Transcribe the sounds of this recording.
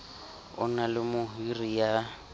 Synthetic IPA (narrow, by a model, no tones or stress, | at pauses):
ʊ̰nalɪmʊɦirija